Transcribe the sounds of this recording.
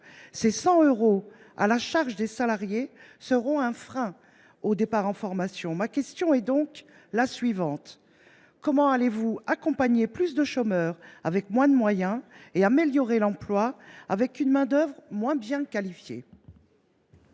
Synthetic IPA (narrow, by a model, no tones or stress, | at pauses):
sesɑ̃øʁo | a̰laʃaʁʒəd̪esalaʁjesəʁɔ̃ɛ̃fχɛ̃ | od̪epaʁɑ̃fɔʁmasjɔ̃makʲɛst̪jɔ̃ɛd̪ɔ̃k | lasɥivɑ̃t̪ | kɔmɑ̃alevuakɔ̃paɲeplys̬d̪əʃomœʁavɛkmwɛ̃d̪əmwajɛ̃eameljɔʁelɑ̃plwaavɛkynmɛ̃d̪œvʁmwɛ̃bjɛ̃kalifjḛ